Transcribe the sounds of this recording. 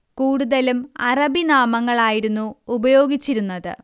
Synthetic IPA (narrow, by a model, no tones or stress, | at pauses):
kuːɽuðɐlumɐrɐbinaːmɐŋːɐɭaːjiɾunːuːbɐjo̞ːɡit͡ɕːiɾunːɐðɨ̰